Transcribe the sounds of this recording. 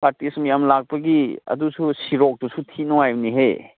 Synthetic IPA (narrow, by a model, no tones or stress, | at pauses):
paɾtismjamlak̚pɐɡiɐ̰dususiɾok̚dusutʰinoajbniɦej